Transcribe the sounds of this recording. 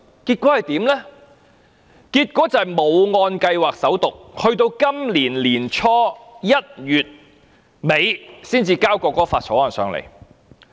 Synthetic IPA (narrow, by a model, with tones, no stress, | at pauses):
kiː˧t̚kʷɔː˨˥hɐ˨jt̪iː˨˥mlɛ˥ | kiː˧t̚kʷɔː˨˥t͡sɐ˨jmo˨˧wŋɔː˧nkɐ˧jwaː˨k̚sɐ˨˥wt̪ʊ˨k̚hɵ˧ɥt̪o˧wkɐ˥mliː˨˩nliː˨˩nt͡ʃʰɔː˥jɐ˥t̚jyː˨t̚ | me˨˧jsiː˥nt͡siː˧kaː˥wkɔː˧kɔː˥faː˧t̚sʰɔː˨˥ɔː˨˩nsœ̰ː˨˧ŋlḛ˨˩j